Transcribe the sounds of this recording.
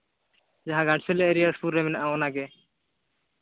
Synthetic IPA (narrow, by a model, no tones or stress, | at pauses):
d͡ʒaɦãɡãɳʈsɛlɛʔɾijaspuɾːɛmɛnaʔaɔnaɡɛ